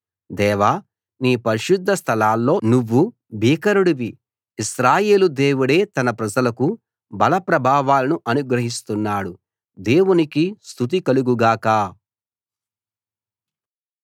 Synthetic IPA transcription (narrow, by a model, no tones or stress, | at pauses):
d̪ɛːʋaː | niːpɐɾiʃud̪ʱːɐst̪ʰɐlaːlːo̞ːnuʋːu | bʱiːkɐɾuɽuʋiː | sɾaːjeːlud̪eːwuɽe̞ːt̪ɐnɐpɾɐd͡ʒɐlɐku | bɐlɐpɾɐbʱaːʋaːlɐnuʔɐnuɡɾɐɦist̪unːaːɽu | d̪e̞ːwunikist̪ʰut̪̬ikɐluɡuɡaːkaː